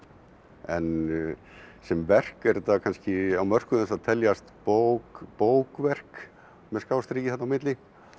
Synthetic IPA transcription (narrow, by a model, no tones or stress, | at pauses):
ɛ̰n | sɛmvɛr̥kɛɾt̪akʰanscɪawmœr̥kʏðɛnsaðt̪ʰɛljast̪powkpoːwkvɛr̥k | mɛðskaːwst̪ɾiːcɪθɛht̪awmɪt̪lɪ